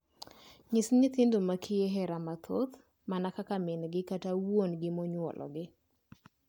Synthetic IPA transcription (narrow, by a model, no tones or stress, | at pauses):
ɲɪsɲɪt̪ɪndomakʰɪeɦɛɾamat̪ʰo̰t̪ | manakakamɪnɡɪkatawonɡɪmɔɲwɔ̰lʔɔ̰ɡɪ